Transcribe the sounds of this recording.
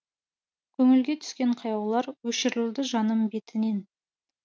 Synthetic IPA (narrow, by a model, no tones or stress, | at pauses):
kʲʰɵŋɪlɡʲet̪ʰʏ̥skʲe̞ɴqʰɑjɑwlˠɑɾwɵʃɪɾlɪwd̪ɪʒɑnəmbe̞t̪ɪne̞n